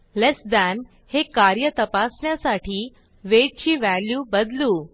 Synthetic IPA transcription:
lesd̪æn | hekaɾjət̪əpasɳjasaʈiː | ʋed͡ʑt͡ɕiːʋæljuːbəd̪luː

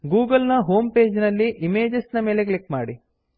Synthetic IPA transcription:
ɡuːɡɐlnɐɦo̞ːmpe̞ːd͡ʒnɐlːiʔimeːd͡ʒɐsnɐme̞ːleklikmaːɽi

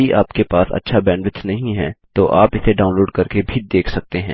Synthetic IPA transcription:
iʔa̰ːpkepaːsɐ̰tːʃʰabɛ̃ːɳɖʋɪtt͡ʃnɐɦĩɦɛ̃ːt̪oʔaːpɪseɖaːʊ̃nloːɖkɐɾkebʱid̪eːkʰsɐk̚t̪eɦɛ̰̃ː

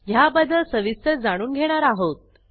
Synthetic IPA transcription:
jabəd̪ʱəsəʋisəɾd͡zaɽ̃uːnɡʱeɽ̃aɾaɦot̪̚

